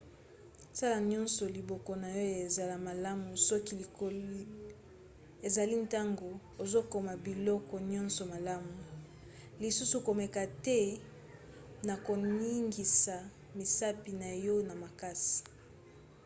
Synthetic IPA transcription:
sa˦la˨ɲɔ˦nsɔ˨li˨bɔ˨kɔ˨na˨jɔ˦e˨za˨la˨ma˨la˦mu˨sɔ˦ki˦li˨ko˦l | e˨za˨li˦nta˦ŋɡo˨ | o˨zo˦ko˨ma˨bi˨lɔ˦kɔ˨ɲɔ̃˦nsɔ˨ma˨la˦mu˨ | li˨su˦su˨ko˨mɛ˨ka˨tɛ˦ | na˨ko˨ni˦ŋɡi˨sa˨ | mi˨sa˦pi˨na˨jɔ˦na˨ma˨ka˦si̥˨

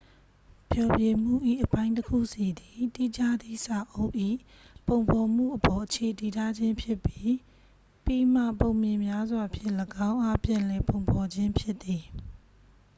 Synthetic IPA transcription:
pʰjɔ˨bje˨m̥ṵ˦˨ʔḭ˦˨ʔəpã˦ɪ̃ntəkʰṵ˦˨si˨d̪i˨ti˦d͡ʑa˦˨d̪i˦˨sa˨ʔo˦ʊʔḭ˦˨ | põ˨ʊ̃mpʰɔ˨m̥ṵ˦˨ʔəpɔ˨ʔət͡ɕʰe˨ti˨tʰa˦˨d͡ʑɪ̃˦mpʰjɪ˦pːji˦ | pi˦˨m̥ä̰˦˨põ˨ʊ̃mjɪ̃˨mja˦zwa˨əpʰjɪ˦ʔləɡã˦ʊ̃ʔa˦pjã˨lɛ˨põ˨ʊ̃mpʰɔ˨d͡ʑɪ̃˦mpʰjɪ˦ʔt̪ːi˨

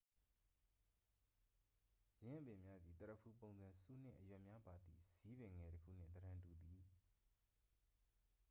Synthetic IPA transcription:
jɪ̃˦ʔə˦bɪ̃˨mja˦d̪i˨t̪əɾə˨pʰu˦˨põ˨ʊ̃nzã˨su˦n̥ɪ̰̃˦˨ʔəjwɛ˨ʔmja˦ba˨d̪ḭ˦˨z̥i˦bɪ̃˨ŋɛ˨ɾəkʰṵ˦˨n̥ɪ̰̃˦˨t̪əɾã˨ntu˨d̪i˨

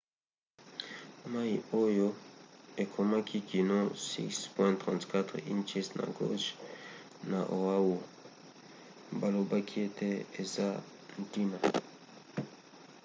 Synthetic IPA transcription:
ma˦i˨o˦jo˦e˨kʰo˨ma˦kʰi˦ki˨no˦sḭ˦kspwɛ̃˦ntʁɔ̃˨ntka˦t̪χḭ˦nt͡ʃɛ˦stna̰˨ɡo̰˦ʃ | na˨ʔo˨a˦wo˨ | ba˦˨lo˨ba˦kʰi˦e˦te˦e˨za˦ | n̩˨ti˦ma˨

